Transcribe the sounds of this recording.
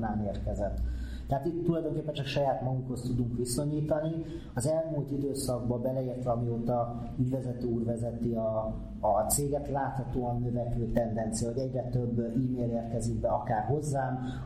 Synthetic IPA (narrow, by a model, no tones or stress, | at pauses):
naːneːrkɛzɛt̪ː | ɛɦaːt̪it̪ːulɒjd̪o̞ŋkeːpːɛnt͡ʃɒkʃɒjaːt̪mɒɡukho̞st̪ud̪uŋkʋiso̞ɲiːt̪ɒni | ɒzɛlmuːlt̪id̪øːsɒɡ̚bɒbɛlɛiːrt̪ʋɛɒmioːt̪ɒ | yɟvɛzɛt̪øːuːrvɛzɛt̪iɒː | t̪seːɡɛt̪laːt̪hɒt̪oːɒnːøvɛkøːt̪ɛnd̪ɛnt̪sijɒɦɔɟɛɟrɛt̪øbːiːmeːleːrkɛziɡbɛɒkaːrɦo̞zːaːm